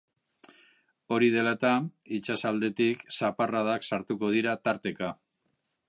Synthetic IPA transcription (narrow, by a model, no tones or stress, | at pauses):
o̞ɾiðe̞lat̪ait͡ʃasald̪e̞t̪iksaparaðaksaɾt̪uko̞ð̞iɾat̪aɾt̪e̞ka